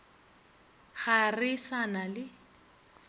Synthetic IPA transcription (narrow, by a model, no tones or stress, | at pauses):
χarɪsanalɪ